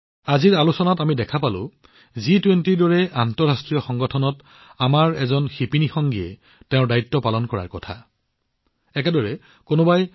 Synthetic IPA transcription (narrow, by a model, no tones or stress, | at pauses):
aziɹalusɔnatamidɛkʰapalʊ̰̃ | zitwentiɹdɔɹɛantɔɹastɹijɔxɔŋɡɔtʰɔnɔt | amaɹɛzɔnxipinixɔŋɡiɛ̰ | tɛʊ̃ɹdaitːɔpalɔnkɔɹa̰ɹkɔtʰa̰ | ɛk̬ɛdɔɹɛ | konobaj